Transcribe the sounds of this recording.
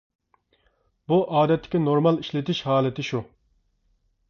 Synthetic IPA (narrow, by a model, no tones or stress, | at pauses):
buʔɑːd̪ɛt̪ːɪ̥kʲinoɾmɑlˠiʃlɪt̪ʰɪʃhɑːlˠɪt̪ʰɪʃu